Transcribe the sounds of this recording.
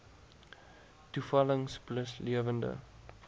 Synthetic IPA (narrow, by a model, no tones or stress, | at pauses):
tufɐləŋspləsliəvəndə̰